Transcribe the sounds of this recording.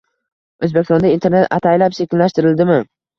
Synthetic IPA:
ɵzbekʲɪsɒnd̪aint̪ʰeɾnet̪a̰t̪ʰajlapʃekʲɪnlaʃt̪ɪɾɪld̪ɪmɪ

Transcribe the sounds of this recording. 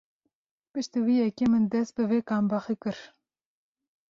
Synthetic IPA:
pɨʃt̪iwijɛkʲemɨnd̪ɛst̪̚bɨveːkɑːmbɑxikɨɾ

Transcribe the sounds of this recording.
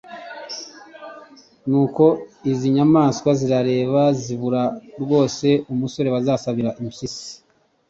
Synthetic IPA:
nuːko̞iziɲamaːskwaziɾaɾe̞ːβaziβuɾaɾɡwo̞ːse̞umuso̞ɾe̞βazaːsaβiɾaʔimisisi̥

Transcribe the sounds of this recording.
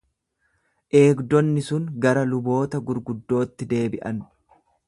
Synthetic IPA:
ʔe̞ːɡd̪ɔnːɪsʊŋɡɐɾɐlʊbo̞ːt̪ɐɡʊɾɡʊd̪ːo̞ːt̪ːɪd̪e̞ːbɪʔɐn

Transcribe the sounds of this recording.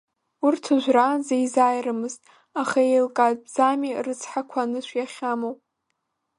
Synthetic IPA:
urtʰɨʒʷrazejzajrɨmɨztʼ | aχaejlkʼazbzamirɨt͡sʰħakʷʰanɨʃʷʰjaχʲamowpʼ

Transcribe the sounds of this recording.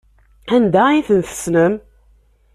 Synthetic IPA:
ænd̪æiθənθə̥snəm

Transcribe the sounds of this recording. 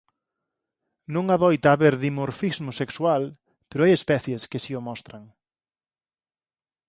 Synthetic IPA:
nõŋaðɔjt̪aːβeɾðimoɾfizmʊsekswal | peɾʊajespɛθjeskɪsiʊmɔst̪ɾaŋ

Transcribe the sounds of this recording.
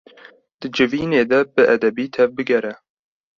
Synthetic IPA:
d̪̥ɨd͡ʒɨviːneːd̪ɛbɨʔæd̪ɛbiːt̪ʰɛvbɨɡɛɾɛ

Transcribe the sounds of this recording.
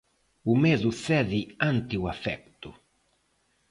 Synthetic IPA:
umeːzusɛðiant̪iuafɛ̰k̚t̪u

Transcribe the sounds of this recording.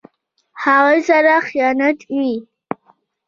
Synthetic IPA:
ħaʁəzaɾaχjanɨtʼi

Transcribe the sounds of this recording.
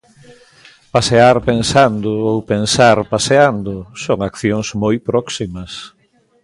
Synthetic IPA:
paseaɾpensand̪ʊowpensaɾpaseand̪ʊsoŋakθjoŋzmojpɾɔksimɐs

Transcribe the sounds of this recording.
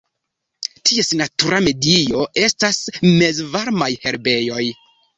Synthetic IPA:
tʰiesnatuɾame̞dio̞e̞stasme̞zvaɾmajhe̞ɾbe̞jo̞j

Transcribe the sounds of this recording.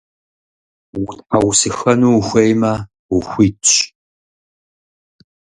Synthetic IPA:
wʊtʼħawsɨxɐnuːxʷɐjmɐ | wʊxʷiːtːt͡ʃ

